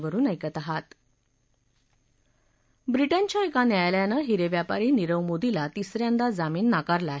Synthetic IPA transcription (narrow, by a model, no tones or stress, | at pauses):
ʋəɾuːnəjkət̪aɦat̪ | bɾiʈənt͡ɕjaekanjajljanəɦiɾeʋjapaɾiːniɾəʋmod̪ʱilat̪isɾjãnd̪ad͡zamiːnːakaɾlaɦ